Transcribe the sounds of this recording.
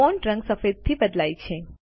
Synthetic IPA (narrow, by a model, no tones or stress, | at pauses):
ɔnʈɾə̃ŋɡsəfed̪̚t̪ʰibəd̪lajt͡ʃʰe